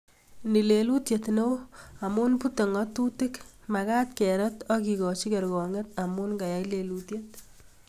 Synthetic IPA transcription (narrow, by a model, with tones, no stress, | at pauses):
ni˨le˨lu˦tje˨tno˦wa˨mu˦npu˦te˨ŋɔ˦tu˦tɪ˦kmaka˦tkɛ˨ɾɛtɔ˦ki˨kɔ˨t͡ʃi˦ke˨ɾɡɔ˨ŋe˦ta˨mu˦nka˨ja˦ile˨lutje˦t̚